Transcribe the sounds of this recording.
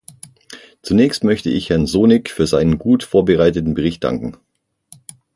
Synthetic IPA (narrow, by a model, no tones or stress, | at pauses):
t͡sunɛːçstmœçtəʔɪçhɛɐnzoːnɪkfyːɐzaɪnənɡuːtfoːɐbəʁaɪtətn̩bəʁ̞ɪçt̚d̥a̰ŋkŋ̩